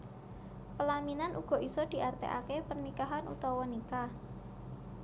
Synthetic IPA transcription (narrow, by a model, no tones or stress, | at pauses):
pəlaminanʔuɡ̥ɔ̤ʔisɔd̪̥i̤ʔart̪ḛʔa̰kepərnikaɦanṵt̪ɔwɔnikah